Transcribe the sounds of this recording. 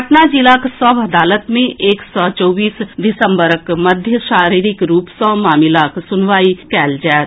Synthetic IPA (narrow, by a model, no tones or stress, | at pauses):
əʈnad͡ʒilaksɔːbɐd̪aːlət̪mẽeːksɔːt͡ʃɔːbiːsɖɪsə̃mbəɾəkməd̪ʱjəʃaːɾiːɾɪkɾuːpsɔ̃ːmaːmɪlaːksʊnʋaːikɛːld͡ʒɛːt̪